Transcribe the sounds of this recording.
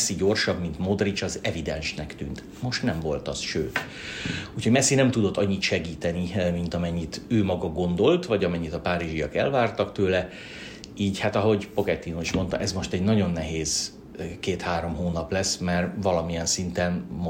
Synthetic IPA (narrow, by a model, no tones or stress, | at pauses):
sːiɟo̞rʃɒbmint̪mo̞d̪rit͡ʃɒzɛvid̪ɛ̰nʃnɛkt̪y̰ːnt̪ | mo̞ʃt̪nɛmvo̞lt̪ɒsʃøːt̪ | uːcʰho̞ɟmɛsːinɛmt̪ud̪o̞t̪ːɒɲːit̪ʃɛɡiːt̪ɛnimint̪ɒmɛɲːit̪øːmɒɡɒɡo̞nd̪o̞lt̪vɒɟɒmɛɲːit̪ɒpaːɾiʒijɒkɛ̰lvaːrt̪ɒkt̪øːlɛ | iːɟhat̪ɒɦo̞ɟpoɡɛt̪ːinoiʃmo̞nt̪ɒ̰ʔɛzmo̞ʃt̪ɛɟnɒɟo̞nːɛɦeːz | keːt̪haːɾo̞mɦoːnɒplɛsmɛrvɒlɒmijɛnsint̪ɛnmo